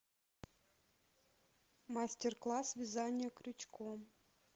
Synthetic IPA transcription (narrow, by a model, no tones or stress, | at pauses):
masʲtʲerklˠɑsvʲizɑnʲɪjəkɾʲut͡ɕko